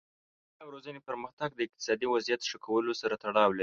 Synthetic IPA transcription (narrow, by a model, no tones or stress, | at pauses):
awɾozənepəɾməxt̪aɡ̚d̪əɪq̚t̪ɪ̥sɑd̪iwazjat̪ʂəkʰawəlosaɾat̪aɽɑwlaɾi